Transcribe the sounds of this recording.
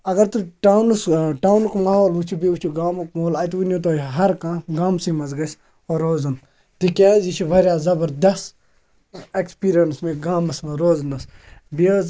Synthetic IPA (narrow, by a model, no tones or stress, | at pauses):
ɐɡɐɾt̪uʈaːwnusʈaːwnukmɐɦoːlut͡ʃʰibiut͡ʃʰiɡaːmukmɐɦoːlaːjt̪ʋunjot̪̬oːɦɐɾkãːɡaːmsĩmɐzɡɐs | oːɾoːzɐn | t̪ikʲaːzit͡ʃʰibʱɐɾʲjaːzɐbɐɾd̪ɐs | ekspiːɾijɐnsmẽɡaːmɐsmɐɾoːzɐnɐsbioz